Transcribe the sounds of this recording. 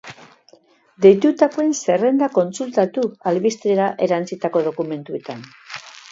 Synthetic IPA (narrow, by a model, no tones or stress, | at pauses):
d̪e̞jt̪ut̪akoe̞nse̞re̞nd̪ako̞nsult̪at̪ualβist̪ɾeɾaʔe̞ɾant͡sit̪ako̞ð̞o̞kume̞nt̪ue̞t̪an